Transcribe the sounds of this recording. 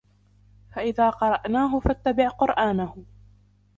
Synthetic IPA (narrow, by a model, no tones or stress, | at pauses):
faʔɪðaːqɑɾˤɑʔnaːɦʊfat̪ːabɪʕqʊɾʔaːnahʊ